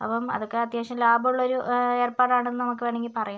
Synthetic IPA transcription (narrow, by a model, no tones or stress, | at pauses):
ɐ̰pːɐmɐ̰ðokːeɐt̪jaːɕjɐmlaːbɐuɭːɐoɾue̞ːrpaːʈaːɳenːɨnɐmukːɨʋeːɳeŋɡilpɐrɐja